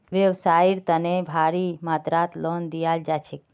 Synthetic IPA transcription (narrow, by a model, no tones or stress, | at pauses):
ʋjeʋsaiɾt̪ənebʱaɾimat̪ɾat̪lɔnd̪ijald͡ʒat͡ʃʰek